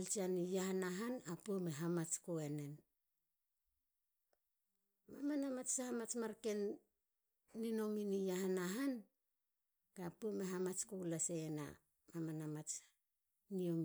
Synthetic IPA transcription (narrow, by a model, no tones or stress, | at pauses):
alt͡ʃianijahanaɦanapuome̞ɦamat͡ʃkoene̞n | mamanamat͡ʃsahamat͡ʃmaɾke̞n | ino̞minijahanaɦan | b̥eapuome̞ɦamat͡ʃkoulaseːna̰ | mamanamat͡ʃ | nio̞m